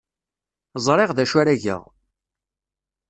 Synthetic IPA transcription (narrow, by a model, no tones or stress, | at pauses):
zˤɾˤeʁðæʃæɾæʝə̰ʁ